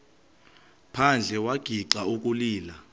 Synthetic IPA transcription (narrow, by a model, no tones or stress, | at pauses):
pʰand͡ɮʱɛwaɡ̥ʱiǃauk̬ʼuliːla